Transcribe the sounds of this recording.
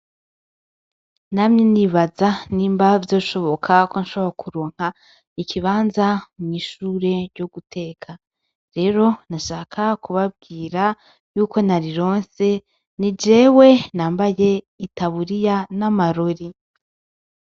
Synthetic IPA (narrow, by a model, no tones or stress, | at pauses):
namɲeniβazaniːmbavjo̞ːʃo̞βo̞kʰako̞nʃoβakuɾoːŋ̥ha | ikʰiβaːnzamŋiːʃuːɾe̞ɾɟoɡutʰe̞ːkʰa | ɾe̞ɾo̞naʃaːkʰakuβab̚ɡiːɾa | juːko̞naɾiɾo̞ːnse̞ | nid͡ʒe̞ːwe̞naːmbaje̞ | itaβuɾijanamaɾo̞ɾi